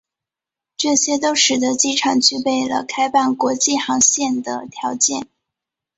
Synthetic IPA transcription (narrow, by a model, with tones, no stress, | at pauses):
ʈ͡ʂɤ˥˩ɕjɛ˥t̪̬o˥ʊʂɻ̩˨˩d̪ə˧˦t͡ɕi˥˩ʈ͡ʂʰɑ˨˩ŋt͡ɕy˥˧pe˥˩ɪlə̰˩kʰa˥ɪpa˥˩nkwɔ˧˥t͡ɕi˥˩xɑ˧˥ŋɕjɛ˥˩nd̪ə̰˩t̪ʰjɑ˧˥ʊt͡ɕjɛ˥˩n